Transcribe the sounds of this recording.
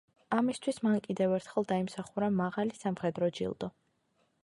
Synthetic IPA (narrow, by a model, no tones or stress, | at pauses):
amist̪ʰwismankʼid̪ɛvɛɾt̪ʰχɛlˠd̪aimsaχuɾamaʁalisamχɛd̪ɾɔd͡ʒḭlˠd̪ɔ